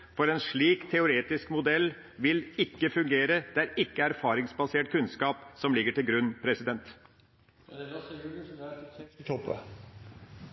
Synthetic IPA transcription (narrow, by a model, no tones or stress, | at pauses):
fɔɾɛnʂɭiːkt̪ʰɛʊɾeːt̪ɪskmʊd̪ɛlː | ʋɪlɪkːəfʉŋɡeːɾəd̪̥ɛæɾɪkːəæɾfɑːɾɪŋsbɑseːʈkʰʉnskɑːpsɔmlɪɡːəʈɪlɡɾʉnːpʰɾɛsɪd̪ɛnt̪ | t̪ʰɔpə̰